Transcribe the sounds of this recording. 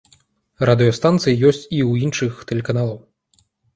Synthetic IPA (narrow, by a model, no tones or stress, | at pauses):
rad̪ɨjɔst̪ant̪sɨjijɔsʲt͡sʲiwinʂɨxt̪ɛlʲɛkanalˠɐw